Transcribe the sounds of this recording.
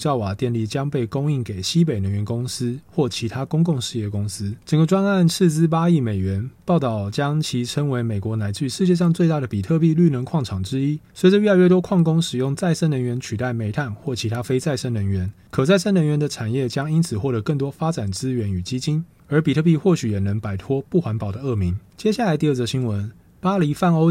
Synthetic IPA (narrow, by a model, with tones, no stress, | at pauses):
t͡ɕjɑ˥˩ʊwa˨˩t̪jɛ˥˧nli˥˩t͡ɕjɑ˥ŋpe˥˩ɪkʊ˥ŋi˥˩ŋke˨˩ɪɕi˥pe˨˩ɪnə˧˥nɥɛ˧˥nkʊ˥ŋs̩˦xwɔ˥˩t͡ɕʰi˧˥t̪ʰa˥kʊ˥ŋk̬ʊ˥˧ŋʂɻ̩˥˧jɛ˥˩kʊ˥ŋs̩˥ʈ͡ʂə˨˩ŋɡə˩ʈ͡ʂwa˥na˥˧˨nt͡s̩ʰ˥˧t͡sɹ̩˥p̬a˥i˥˩me˨˩ɪɥɛ˧˦˥npɑ˥˩ʊt̪ɑ˥˩ʊt͡ɕjɑ˥ŋt͡ɕʰi˧˥ʈ͡ʂʰə˥ŋwe˧˥ɪme˨˩ɪkwɔ˧˥na˧˥ɪt͡ɕy˥˧ʂɻ̩˥˧t͡ɕjɛ˥˧ʂɑ˥˧ŋt͡swe˥˧ɪt̪a˥˩ɾə˩pi˨˩t̪ʰɤ˥˧p̬i˥˧ly˥˩nə˧˥nkʰwɑ˥˩ŋʈ͡ʂʰɑ˨˩ŋʈ͡ʂɻ̩˥i˥swe˧˥ʈ͡ʂə˨ɥy˥˩la˧ɥɛ˥˩t̪wɔ˥kʰwɑ˥˩ŋkʊ˥ŋʂɻ̩˨˩jʊ˥˧ŋt͡sa˥˩ɪʂə˥nə˧˥ŋɥɛ˧˥nt͡ɕʰy˨˩t̪a˥˩ɪme˨˧˩ɪt̪ʰa˥˩nxwɔ˥˩t͡ɕʰi˧˥t̪ʰa˥fe˥ɪt͡sa˥˩ɪʂə˥nə˧˥ŋɥɛ˧˥n | kʰɤ˨˩t͡sa˥˩ɪʂə˥nə˧˥ŋɥɛ˧˦nd̪ə˨ʈ͡ʂʰa˨˩njɛ˥˩t͡ɕjɑ˥ŋi˥nt͡sʰɹ̩˨˩xwɔ˥˩t̪ɤ˧˥kə˥˩ŋt̪̬wɔ˥fa˥ʈ͡ʂa˨˩nt͡sɹ̩˦ɥɛ˧˥ny˨˩t͡ɕi˥t͡ɕi˥n | ə˞˧˥pi˨˩t̪ʰɤ˥˧pi˥˧xwɔ˥˩ɕy˨˩jɛ˨˩nə˧˥ŋpa˨˩ɪt̪ʰwɔ˥pu˥˩xwa˧˥npɑ˨˩ʊd̪ə˩ɤ˥˩mi˨˦ŋt͡ɕjɛ˥ɕ̬ja˥˩la˧˦ɪt̪i˥˧ə˥˩ə˩ɕi˥nwə˧˦n | pa˥li˧˥fa˥˩no˥ʊ